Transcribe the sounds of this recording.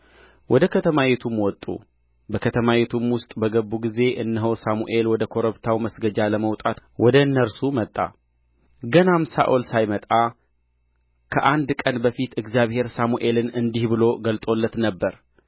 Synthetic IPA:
wʔɔd̪əkʰət̪ʰəmajet̪ʰumwɔt̪ʼːṵ | bəkʰət̪ʰəmawet̪ʰumwʊst̪ʼbəɡəbːuɡize̞ʔɨnːɨɦəwsamuʔe̞lwɔd̪əkʰo̞ɾəβt̪ʰawməsɡəd͡ʒaləməwt̪ʼat̪wɔd̪ənːəɾsumət̪ʼːa̰ | ɡənamsa̰ʔolsajmət̪ʼa | kʰəʔand̪kʼənbəfit̪ɨɡzjaβhe̞ɾsamuʔe̞lɨnɨnd̪ihbɨlo̞ɡəlt̪ʼo̞lːət̪nəbːəɾ

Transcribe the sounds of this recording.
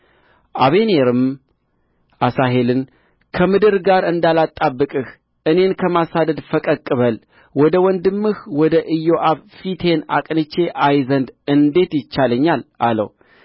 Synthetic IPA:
ʔaβe̞ne̞ɾɨm | ʔasaɦe̞lɨn | kʰəmɨd̪ɨɾɡaɾɨnd̪alat̪ʼːabːɨkʼɨh | ʔɨne̞nkʰəmasad̪əd̪fəkʼəkʼːɨβəl | wɔd̪əwɔnd̪ɨmːɨhwɔd̪əʔɨjːo̞ʔaβfit̪ʰe̞na̰kʼnɨt͡ʃːe̞ʔajzənd̪ɨnd̪e̞t̪jɪt͡ʃːaləɲːalalə̰w

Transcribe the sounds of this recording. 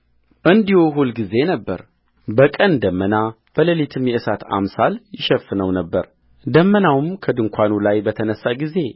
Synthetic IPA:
ʔɨnd̪ihoɦulɡize̞nəbːə̰ɾ | bəkʼənd̪əmːəna | b̥ələlit̪ʰɨmjɛʔɨsat̪a̰msaljɪʃɛfːnəwnəbːəɾ | d̪əmːənawmkʰəd̪ɨŋkʷʰanulajbət̪ʰənəsːaɡize̞

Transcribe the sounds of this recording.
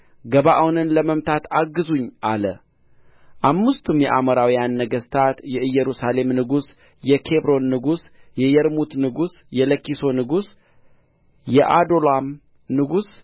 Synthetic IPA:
ɡəβaʔawnɨnləməmt̪ʰat̪aɡɨzuɲːʔalə | ʔamːɨst̪ʰumjɛ̰ʔaməɾawijanːəɡəst̪ʰat̪jɛʔɨjːɛɾusale̞mnɨɡus | jɛkʰebɾo̞nːɨɡusjɛjɛɾmut̪nɨɡusjɛləkːiso̞nɨɡus | jɛʔad̪o̞lam | nɨɡus

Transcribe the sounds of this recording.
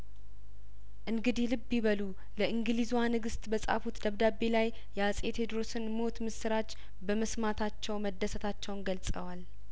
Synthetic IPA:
ʔɨŋɡɨd̪ihlɨbːiβəlu | ləʔɨŋɡɨlizwanɨɡɨst̪ʼbəsʼa̰fut̪d̪əβd̪abe̞laj | jɛasʼet̪ʰed̪ɾosɨnmo̞t̪mɨsɨɾat͡ʃː | bəməsmat̪ʰat͡ʃːɛwməd̪ːəsət̪ʰat͡ʃːɛwnɡəlsʼə̰wal

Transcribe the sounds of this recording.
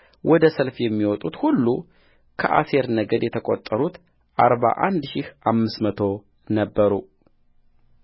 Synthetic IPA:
wʔɔd̪əsəlfjɛmːiwɔt̪ʼut̪hulːu | kʰə̰ʔa̰se̞ɾnəɡəd̪jɛt̪ʰəkʼo̰t̪ʼːəɾut̪ | ʔaɾβa̰ʔand̪ʃɪhamːɨsmət̪ʰo̞ | nəbːəɾu

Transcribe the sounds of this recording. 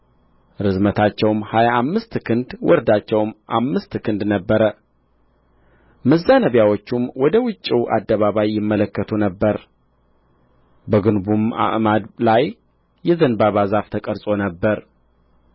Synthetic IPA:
ɾɨzmət̪ʰat͡ʃːɛwmhajaamːɨst̪kʰɨnd̪wʔɔɾd̪at͡ʃːɛwmʔamːɨst̪kʰɨnd̪nəbːəɾə | məzːanəβjawot͡ʃːumwɔd̪əwʊt͡ʃʼːiwʔa̰d̪ːəβaβajːɪmːələkːət̪ʰunəbːəɾ | bəɡɨnbuma̰ʔmad̪lajː | ɛzənbaβazaft̪ʰəkʼəɾsʼo̞nəbːəɾ

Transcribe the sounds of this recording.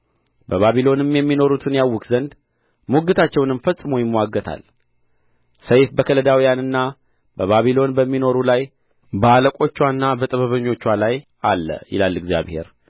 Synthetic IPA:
bəβaβilo̞nɨmjɛmːino̞ɾut̪ʰɨnjawːʊkzənd̪ | muɡɨt̪ʰat͡ʃːɛwnɨmfəsʼːɨmujɪmːəwaɡːət̪ʰa̰l | səjfbəkʰələd̪awijanɨnːa | bəβaβilo̞nbəmːino̞ɾulaj | bəaləkʷʼo̞t͡ʃːwanːabət̪ʼəβəβəɲːo̞t͡ʃːwalajʔalːə̰jɪ̰lalɨɡzja̰βhe̞̰ɾ

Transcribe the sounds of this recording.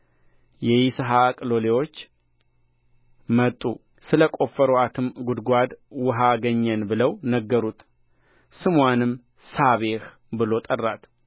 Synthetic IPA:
jɛjisɨɦakʼɨlo̞lewo̞t͡ʃː | mət̪ʼːṵ | sɨləkʼo̞fːəɾoat̪ʰɨmɡud̪ɡʷad̪wʊɦaɡəɲːɛnbɨləwnəɡːəɾut̪ʼ | sɨmwanɨm | saβeh | bɨlo̞t̪ʼərːat̪

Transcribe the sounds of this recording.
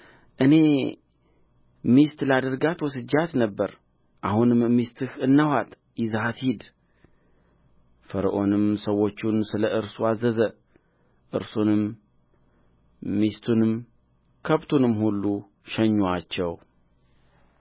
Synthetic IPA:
ʔɨne̞ | mist̪lad̪əɾɡat̪wɔsɨd͡ʒːat̪nəbːəɾ | ʔahunɨmmist̪ʰɨhɨnːəhat̪ | jɪzhat̪hid̪ | fəɾəʔo̞nɨmsəwːo̞t͡ʃːunsɨləʔɨɾsuazːəzə | ʔɨɾsunɨm | ist̪ʰunɨm | kʰəβt̪ʰunɨmːhulːu | ʃɛɲːat͡ʃːɛw

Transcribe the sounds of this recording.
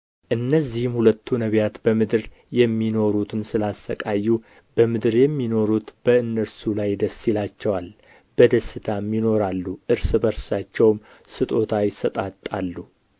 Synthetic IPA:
ʔɨnːəzːihɨmhulət̪ʰːunəβjat̪bəmɨd̪ɨɾ | jɛmːino̞ɾut̪ʰɨnsɨlast̪əkʼajːu | bəmɨd̪ɨɾjɛmːino̞ɾut̪b̥əɨnːəsulajd̪əsːilat͡ʃːɛwal | bəd̪əsːɨt̪ʰamːino̞ɾalːuʔɨɾsɨbəɾsat͡ʃːɛwm | sɨt̪ʼo̞t̪ʰajɪsət̪ʼat̪ʼːalːu

